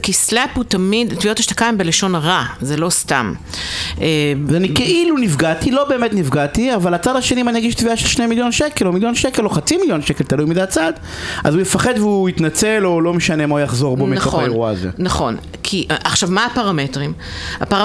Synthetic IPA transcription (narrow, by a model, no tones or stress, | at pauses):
kislaputamidtvio̞taʃt̪ḁkaimbeleʃo̞nʁazelo̞sta̰m | evanikeʔilunivɡatilo̞be̞ːmetnivɡatiavalat͡sadaʃenimanijaɡiʃtviaʃelʃnemiljo̞nʃekelomiljonʃekelo̞χat͡similjo̞nʃekelt̪alujmizeat͡sad | ʔazujefaχe̞dveuit̪nat͡selo̞lo̞meʃanemaujaχzo̞ʁbomiakoeʁua̰zḛnaχo̞̰n | kʰiʔaχʃavmaːpaʁametʁima̰paʁ